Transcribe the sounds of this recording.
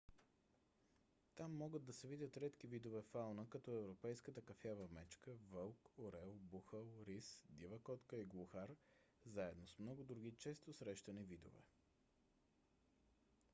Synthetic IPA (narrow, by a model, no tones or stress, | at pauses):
t̪amːɔɡəd̪ːɐsɛvid̪ʲət̪ɾɛt̪kivid̪ovɛfalˠnəkɐt̪ɔɛvɾopɛjskət̪əkɐfjavəmɛt͡ʃkəvəlˠkoɾɛlˠbuxəlˠɾisd̪ivəkɔt̪kəiɡlˠoxaɾ | zaɛd̪nosmnɔɡʊd̪ɾuɡ̟it͡ʃɛst̪osɾɛʃt̪ɐnivid̪o̰vɛ̰